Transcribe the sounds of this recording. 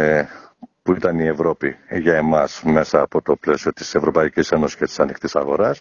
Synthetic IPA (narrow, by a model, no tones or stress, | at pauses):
puit̪ɐnie̞vɾo̞piʝɐe̞mɐsme̞sɐːpo̞t̪o̞ple̞sio̞t̪i̥se̞vɾo̞pɐicise̞nosi̥sce̞t̪i̥sɐnixt̪isɐɣo̞ɾɐs